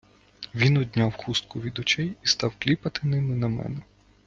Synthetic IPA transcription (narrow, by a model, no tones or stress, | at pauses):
ʋʲinɔd̪ʲnʲɑwxust̪̚kʊʋʲid̪ɔt͡ʃɛjist̪ɑwklʲipɐt̪ɪnɪmɪnɐmɛ̰nɛ